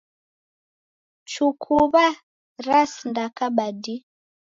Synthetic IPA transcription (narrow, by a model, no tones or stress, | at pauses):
t͡ʃukʰuβa | ɾasndakaɓadi